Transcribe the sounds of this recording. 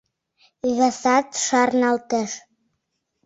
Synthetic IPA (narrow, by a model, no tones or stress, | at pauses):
ɣɑsɑt̪ʃɑrnɑlt̪eʃ